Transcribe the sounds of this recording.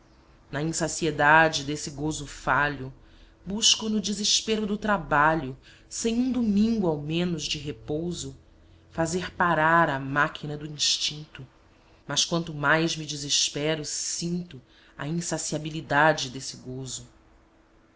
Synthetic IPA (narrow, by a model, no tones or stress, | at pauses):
nɐĩsasied̪ad͡ʒɪd̪esɪɡozʊfaʎʊ | buʃkʊnʊd͡ʒiziʃpeɾʊd̪ʊt̪ɾabaʎʊ | sẽj̃ũd̪umĩŋɡʊawmẽnʊzd͡ʒɪɦepowzʊ | fazeɾpaɾaɾɐmakʰinɐd̪ʊĩʃt͡ʃĩnt̪ʊ | mɐskwɐ̃nt̪ʊmajzmid͡ʒiziʃpɛɾʊsĩnt̪ʊ | ɐ̰ĩsasiabilid̪ad͡ʒɪd̪esɪɡozʊ